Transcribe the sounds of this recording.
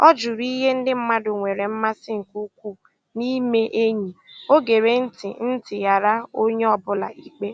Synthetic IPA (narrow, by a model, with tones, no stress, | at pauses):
ɔ˦d͡ʒʊ˨ɾi˦ɦe˦n̩˦dɪ˦m̩˦ma˦dʊ˨ŋʷe˨ɾe˨m̩˦ma˦sɪ˦ŋ̩˨ku˦kʷu˦˨ | ni˦me˦ʔe˦ɲi˨o˦ɡe˨ɾe˨n̩˦tɪ̰˨n̩˦tɪ˨ja˨ɾa˦o˦ɲe˦ɔ˦bʊ˦la̰˨ʔi˨k͡pe˦